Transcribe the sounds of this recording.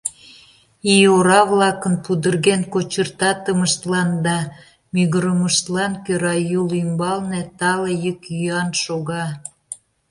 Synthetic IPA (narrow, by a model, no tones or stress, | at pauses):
ioɾɑβlɑkənpud̪ərɣenkot͡ɕərt̪ɑt̪əməʃt̪lɑnd̪ɑ | myɣəɾəməʃt̪lɑnkøɾɑjulymbɑlnet̪ɑlejəkjyɑnʃoɣɑ